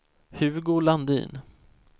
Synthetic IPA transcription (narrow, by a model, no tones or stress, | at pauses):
hʉ̟ːɡoːɭand̪ḭːn